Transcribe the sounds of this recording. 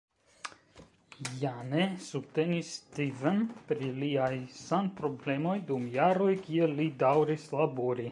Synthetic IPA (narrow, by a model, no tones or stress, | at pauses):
janesub̚t̪enist̪ivənpɾiliajsanpɾoblɛmojd̪umjaɾojkielid̪awɾislabuɾi